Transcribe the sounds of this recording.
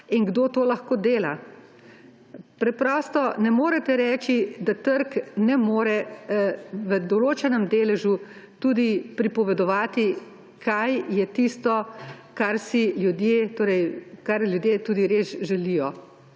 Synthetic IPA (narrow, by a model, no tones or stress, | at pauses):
inɡd̪oːt̪oːlɐxkoːd̪eːla | pɾɛpɾɔːst̪ɔnɛmoːɾɛt̪ɛɾɛːt͡ʃid̪at̪əɾknɛmoːɾɛ | ʋəd̪ɔloːt͡ʃɛnɛmd̪eːlɛʒu | t̪uːd̪ipɾipɔʋɛd̪ɔʋaːt̪i | kʰajjɛt̪ist̪ɔkaɾsiljud̪jeːt̪oːɾɛjkaɾlʲjud̪jeːt̪uːd̪iɾeːsʒɛlijɔ